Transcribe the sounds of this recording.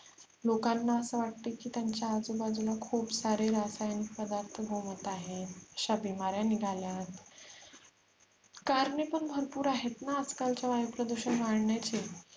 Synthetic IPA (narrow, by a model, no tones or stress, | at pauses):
lokanːaəsəʋaʈt̪ekiːt̪jaɲt͡ɕjaːd͡zubad͡zulakʰuːpsaɾeɾasajanik̚pəd̪aɾt̪ʰəɡʱomət̪aɦet̪əɕabimaɾjaniɡʱaljat̪ | kaɾnepəɳbʱəɾpuːɾaɦet̪naəd͡zkalt͡ɕjaʋajupɾəd̪uɕənʋaɽɳjat͡ɕe